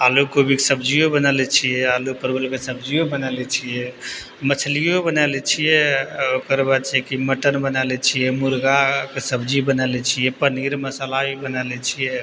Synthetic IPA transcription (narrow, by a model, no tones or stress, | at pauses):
alukobikesəbd͡ʒiobənalɛt͡ʃʰijɛalupəɾbəlkesəbʱd͡ʒijobənalɛt͡ʃʰijɛ | mət͡ʃʰlijobənalɛt͡ʃʰijɛokəɾbad̪t͡ʃʰɛkiməʈənbənalɛt͡ʃʰijɛmuɾɡakesəbd͡ʒibənalɛt͡ʃʰijɛpəniɾməsalaibənalɛt͡ʃʰijɛ